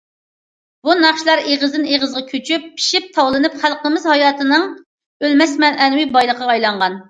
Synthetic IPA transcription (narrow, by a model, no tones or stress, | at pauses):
bunɑχʃlˠɑɾeʁəzd̪ɨneʁəzʁɑkʲʰøt͡ʃʰypːʰi̥ʃip̚t̪ʰɑwlˠɨnɨpχælqəmɨzhɑjɑːt̪ʰɨnɨŋ | ølmɛsmɛnʔɛnwɪbɑjlˠəqʰːɑːjlˠɑɴʁɑn